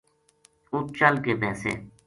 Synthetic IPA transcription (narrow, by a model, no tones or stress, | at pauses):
ut̪̚t͡ʃəlkeːbɛːsḛː